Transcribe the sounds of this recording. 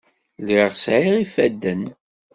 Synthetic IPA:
liʁsʕiʁifæd̪ːən

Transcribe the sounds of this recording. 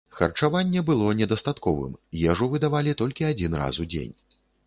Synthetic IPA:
xɐ̰rt͡ʂavanʲːɛbɨlˠɔnʲɛd̪ɐst̪at̪kɔvɨ̰mjɛʐuvɨd̪avalʲit̪ɔlʲkʲiad͡zʲinra̰sud͡zʲḛnʲ

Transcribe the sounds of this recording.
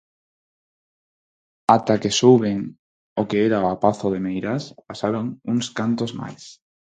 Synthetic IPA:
at̪akesuβeŋ | okeeɾaapaθoðemejɾaspasaɾoŋuŋskant̪ozma̰js

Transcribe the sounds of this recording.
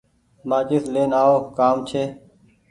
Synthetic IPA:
mãːt͡ʃɪsleːnaːoːkaːmt͡ʃʰeː

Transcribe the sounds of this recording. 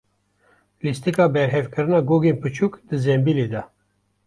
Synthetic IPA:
list̪ikɑːbɛɾɦɛvkʰɨɾɨnɑːɡoːɡeːnpɨt͡ʃʰuːkd̪ɨzɛmbiːleːd̪ɛ

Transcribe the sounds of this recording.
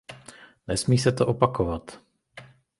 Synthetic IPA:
nɛsmiːsɛt̪oʔopakovat̪

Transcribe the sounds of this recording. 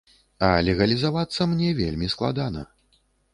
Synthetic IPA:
ɐlʲɛɣɐlʲizavat̪sːɐmnʲɛvʲelʲmʲisklˠa̰d̪anɐ̰

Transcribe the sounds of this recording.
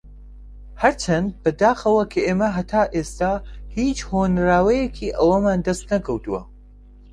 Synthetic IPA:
hɐɾt͡ʃʰɐnd̪̚bɐd̪aːxɐwɐkʰɐʔeːmɐɦɐt̪ʰaːʔeːst̪aːhiːt͡ʃhoːnɾaːwɐjɛkʰiːʔɐwɐmaːnd̪ɐst̪nɐkʰɐwt̪uwɐ̰

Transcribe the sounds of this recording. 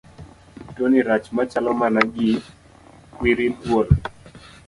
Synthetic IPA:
toniɾat͡ʃmat͡ʃalɔmanaɡɪ | kwiɾimbwol

